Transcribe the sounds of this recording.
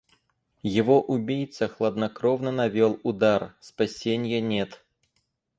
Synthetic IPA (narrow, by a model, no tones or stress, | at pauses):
jɪvoʔʊbʲijt̪səxlˠəd̪nɐkɾovnənɐvʲolˠʊd̪arspɐsʲenʲjənʲet̪